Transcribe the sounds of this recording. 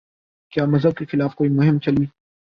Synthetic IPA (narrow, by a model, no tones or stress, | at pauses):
kjaːmɐzɦəb̚kexɪlaːfkoːimʊɦɪ̃mt͡ʃɐlwiː